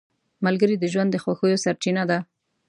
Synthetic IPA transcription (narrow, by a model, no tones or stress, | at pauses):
malɡəɾid̪əʒwand̪ːəxwaxəjosaɾt͡ʃinad̪a